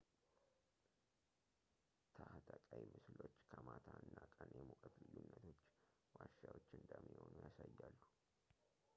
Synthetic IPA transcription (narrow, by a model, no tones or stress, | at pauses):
t̪ʰaht̪ʰəkʼajmɨslo̞t͡ʃːkʰəmat̪ʰaɨnːakʼənjɛmukʼət̪lɨjːunːət̪ʰo̞t͡ʃː | waʃawot͡ʃːɨnd̪əmːiho̞nujasajːalːu